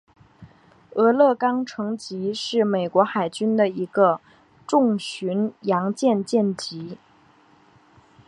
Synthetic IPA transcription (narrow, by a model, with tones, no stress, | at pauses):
ɤ˧˥lɤ˥˩kɑ˥ŋʈ͡ʂʰɤ˧˥ŋt͡ɕi˧˥ʂɻ̩˥˩me˨˩ɪkwɔ˧˥xa˨˩ɪt͡ɕy˥nd̪ə˨i˧˥ɡə˧ | ʈ͡ʂʊ˥˩˧ŋɕy˧˥njɑ˧˥ŋt͡ɕjɛ˥˧nt͡ɕjɛ˥˩nt͡ɕi˧˥